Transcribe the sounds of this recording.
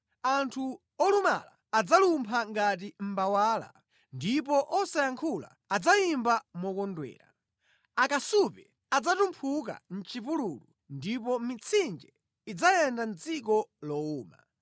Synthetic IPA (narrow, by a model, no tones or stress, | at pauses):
antʰu | ɔluma̰la̰ːd͡zalumpʰaŋɡat̬im̩bawaːla̰ | ndip̬ɔʔɔsajaŋkʰula̰ | ad͡zaimbamɔkɔndwɛ̰ːɾa̰ | akasupɛ | ad͡zatumpʰuk̬a̰n̩t͡ʃipululu | ndipɔmit͡sʰind͡ʒɛ | id͡zajɛndan̩t͡sikɔlɔuːma̰